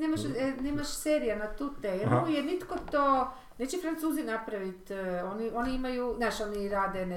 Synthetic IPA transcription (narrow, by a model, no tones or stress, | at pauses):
neːmaʃɛneːmaʃseːɾijanat̪ut̪ejɛolujeɾnit̪kot̪o | net͡ɕefɾant̪suːzinapɾaʋit̪onio̞niimajunaʃoniɾaːd̪ene